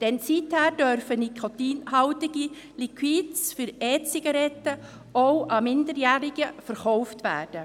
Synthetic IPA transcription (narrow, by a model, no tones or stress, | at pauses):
d̥ɛnsithæːɾd̥œɾfənikʰot̪iːnɦɑʊtɪɡ̥i | likʰwiːtsfʏɾɛːt͡siɡɑɾɛtə | oʊʔɑmɪndəɾjæːɾɪɡəfəɾχɔʊftʋæ̰ːd̥ə